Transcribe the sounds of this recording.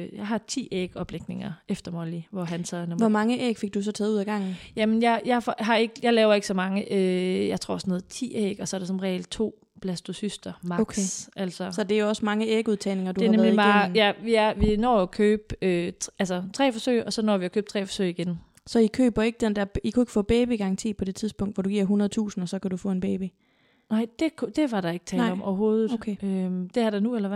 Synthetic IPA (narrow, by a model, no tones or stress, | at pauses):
jɑ̈ɪɦɑ̈t͡sʰḭːeːɡ̥ɒ̽b̥leɡ̥ne̝ŋɐefd̥ɐmɒliʋɒɦænsʰɛnomʋɒmɑ̈ŋəʔeːɡ̥fe̝ɡ̚d̥usɒ̽t͡sʰɛːð̩ˠuðˠɡ̥ɑ̈ŋ̰nn̩jæmenjɑ̈ɪjɑ̈ɪfɒɦɑ̈e̝ɡ̥əjɑ̈ɪlɛːʊɐe̝ɡ̥sɒ̽mɑ̈ŋəʔøjɑ̈ɪt͡sʰʁo̝̰ɐ̰sɒno̝ːð̩ˠt͡sʰḭːeːɡ̥ɒsɒɐɾ̥esɒ̽nʁɛḛld̥̚t͡sʰo̝̰ː | b̥læsd̥o̝sysd̥ɐmɑ̈ɡʔæl̰sɒsɒ̽d̥eæjo̝ɒ̽smɑ̈ŋəeːɡ̥uðˠt͡sʰɛ̰ːne̝ŋɐd̥uheæɐaneðmlið̩ˠmɑːjæʋiæɐʋinɔ̰ːkʰøːb̥øælsɐt͡sʰʁɛ̰ːfɒ̽sø̰ɪɒ̽sɒ̽nɒ̰ːʋiækʰøːb̥t͡sʰʁɛ̰ːfɒ̥søɪiɡ̥en | sɒ̽ikʰø̰ːb̥ɐe̝ɡ̥əd̥end̥ɛɐ̥ikʰue̝ɡ̥ə̥fɔ̰̽ːb̥eːb̥iɡ̥ɑŋt͡sʰḭːpʰɒ̽d̥e̝t͡sʰiðˠsb̥ɔ̽ŋ̰d̥ʋɒd̥uɡiɐ̰ɦunɐð̞ˠt͡sʰṵːsn̩ɒ̽sɒ̽kʰædufɔ̰̽e̝nb̥eːb̥i | nɑɪ̰d̥e̝kʰud̥e̝ʋɑ̈ɾ̥ɑ̈e̝ɡ̥t͡sʰɛːnɑ̈ɪɒ̽mɒʊɐɦo̝ːð̞̩ˠokʰeød̥e̝æɐɾ̥ɑnuelɐ